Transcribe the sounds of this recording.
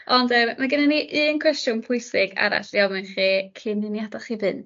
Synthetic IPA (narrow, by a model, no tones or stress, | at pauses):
ɔndəːmːaɡənaniʔɨːnkʰw̥ɛstjʊnpʰʊɨsɪɡa̰ɾa̰ɬiɔmɨnχikʰinɨnjadaχivɨn